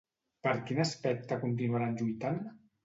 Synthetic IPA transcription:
pəɾkinəspɛk̚t̪əkunt̪̬inuaɾanʲʒujt̪an

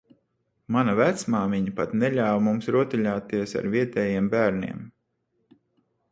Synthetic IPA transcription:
manɐvæt̪smaːmiɲɐpat̪nɛʎʲaːwmumsɾuɔt̪iʎaːt̪iɛsa̰ɾviɛt̪ɛːjiɛmbæːɾnʲḭɛm

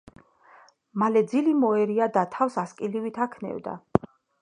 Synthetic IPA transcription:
malɛd̪zilimɔɛɾiad̪at̪ʰafsaskʼilivit̪ʰakʰnɛ̰vd̪a̰

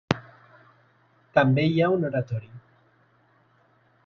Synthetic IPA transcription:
t̪ambejawnoɾat̪oɾi

